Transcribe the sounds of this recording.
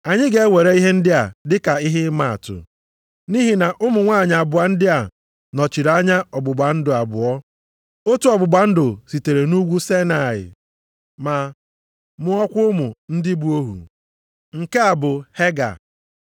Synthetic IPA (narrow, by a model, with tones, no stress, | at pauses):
a˨ɲɪ˦ɡe˦we˨ɾe˦i˦ɦe˦n̩˦dɪ˦a˨dɪ˦ka˨i˦ɦɪ˦ma˦˨a̰˨tʊ̰˨ | ni˦ɦi˨na˨ʔʊ˦mʊ˨ŋʷaː˦˨ɲ˨a˨bʊ˨a˨n̩˦dɪ˦a˨ | nɔ˨t͡ʃi˨ɾa˦ɲa˦ɔ˨bʊ˨ɡ͡ba˨n̩˦dʊ˨a˨bʊ̰˨ɔ˦ | o˦tu˦ɔ˨bʊ˨ɡ͡ba˨n̩˦dʊ˨si˨te˨ɾe˨nu˦ɡʷu˦se˦na˨ɪ̰˨ | ma˨ | mʊ˦ɔ˦kʷʊ˦ʊ˦mʊ˨n̩˦dɪ˦bu˦o˦ɦṵ˨ | ŋ̩˨ke˦a˨bʊ˨he˦ɡa̰˨